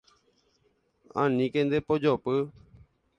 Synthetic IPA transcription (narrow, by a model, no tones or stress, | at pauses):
ã̰nĩkẽnd̪epod͡ʒopɨ